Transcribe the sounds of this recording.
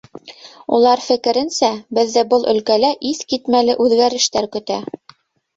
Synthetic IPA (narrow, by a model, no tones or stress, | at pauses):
ṵlˠɑɾfɘ̆kɘ̆ɾɘ̆nsæbɘ̆ðːɘbɤlˠɵ̆lkælæʔiθkit̪mælɘʔʉðɡæɾɘ̆ʃt̪æɾkɵ̆t̪æ